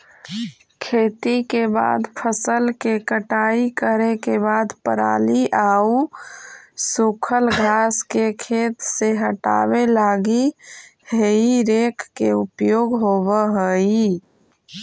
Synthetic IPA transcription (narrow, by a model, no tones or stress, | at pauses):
kʰeːt̪ikeba̰ːd̪pʰəsəlkekəʈaːikəɾekebaːd̪pəɾa̰ːliʔau | sukʰəlɡʱaːskekʰeːt̪seɦəʈa̰ːbelaːɡi | heiɾeːkʰːeupjoːɡɦoːbəɦəi